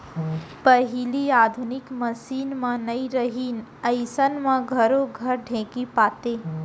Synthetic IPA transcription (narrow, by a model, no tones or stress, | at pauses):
pəɦiliaːd̪ʱʊnɪkməsiːnmãnɐiɾəɦiːnəɪsənmãɡʱɐɾoɡʱɐɾɖʱẽːkipaːt̪eː